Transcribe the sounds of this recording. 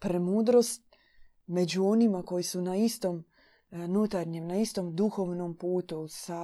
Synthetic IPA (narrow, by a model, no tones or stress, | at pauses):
pɾemuːd̪ɾo̞st̪̚ | me̞d͡ʑuo̞nimako̞jisunaist̪o̞m | nut̪aɾɲemnaist̪o̞md̪uxo̞ʋno̞mpuːt̪usa